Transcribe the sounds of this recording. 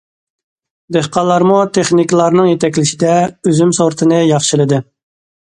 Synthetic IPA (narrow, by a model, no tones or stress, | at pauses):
d̪ehqɑlˠːɑɾmut̪ʰeχniklˠɑɾnɨŋjet̪ʰɛkʲlɪʃid̪ɛøzymsoɾt̪ʰɨnɨjɑχʃilˠɨd̪ɨ